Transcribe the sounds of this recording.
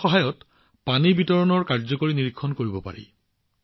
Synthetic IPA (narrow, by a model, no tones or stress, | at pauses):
ɔɦajɔt | panibitɔɹɔnɔɹkaɹzɔkoɹiniɹikʰːɔnkoɹibɔpa̰ɹḭ